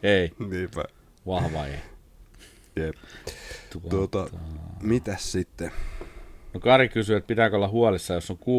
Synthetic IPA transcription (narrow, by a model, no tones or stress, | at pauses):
einiːpæ̰ | ʋɑhʋɑḛ | jept̪ut̪uot̪ɑmit̪æssit̪ːe | nokɑrikysyet̪̚pit̪æːˑkolːɑhuɑlisːɑjosːoŋku